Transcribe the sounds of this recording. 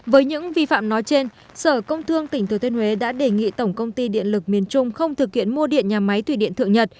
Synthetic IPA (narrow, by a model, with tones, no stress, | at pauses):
vəː˨˦jɲɨ̰˧˥ŋvi˧fa̰ː˧˨mnɔ˨˦jt͡ɕe˧n | səː˧˩kə˧wŋ͡mt̪ʰɨ˧əŋt̪ï˧˩ŋ̟t̪ɨ˨˩t̪i˧nhwe˨˦ɗa̰ː˧˥ɗe˨˩ŋḭ˧˨t̪ə˧˩wŋ͡mkə˧wŋ͡mt̪i˧ɗḭ˧˨ənlɨ˨˩k̚mi˨˩ənt͡ɕʊ˧ŋ͡mxə˧wŋ͡mt̪ʰɨ˨˩k̚hḭ˧˨ənmu˧əɗḭ˧˨ənɲaː˨˩ma˨˦jt̪ʰwi˧˩ɗḭ˧˨nt̪ɨ̰˧˨əŋɲə˨˩t̚